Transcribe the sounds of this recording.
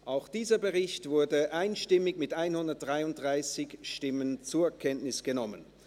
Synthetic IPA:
ʔʔaʊxd̥iːzɐbəʁɪçtv̥ʊɐdəʔaɪnʃtɪmɪçmɪtʔaɪnhʊndɐt̚d̥ʁaɪʊnt̚d̥ʁaɪsɪçʃtɪmənt͡suːɐɛkʰɛntnɪsɡ̥ənɔmə̰n

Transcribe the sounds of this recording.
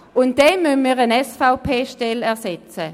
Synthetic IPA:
ʊnt̚d̥ɛnmynmiːʁənɛsfaʊpʰeːʃtɛlɛɐsɛt͡sə

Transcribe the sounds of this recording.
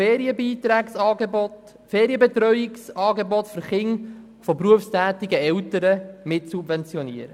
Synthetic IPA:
eːɾiəbiːtɾæːksɑːɡebɔt | feːɾiəbɛt̪ɾœʏɪksɑːɡebɔtfʏɾχɪŋ | fɔpɾuəfstæːt̪ɪɡəɛltəɾəmɪtsubvɛnt͡sjɔniəɾə

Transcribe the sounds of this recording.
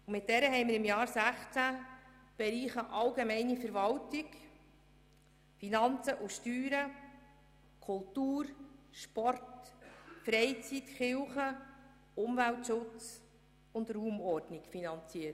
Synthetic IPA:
ʊmɪt̚dɛɾəɦɛɪmɪɾɪmjɑːɾsæχt͡sæ | b̥ɛɾiːχəʔɑlɡɛmɛɪnifəɾvɑltɪk | finɑnt͡səʔuʃtyːɾə | kʰʊltuːɾʃpɔrt | fɾɛɪt͡sit̪χɪlχə | ʊmvæltʃʊt͡s | ʊnd̪ruːmɔrdnɪkfinɑnt͡siət

